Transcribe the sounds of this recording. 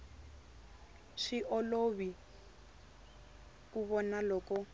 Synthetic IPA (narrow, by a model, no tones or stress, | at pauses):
ʂiʔɔloβi | kuβɔnalɔːkɔ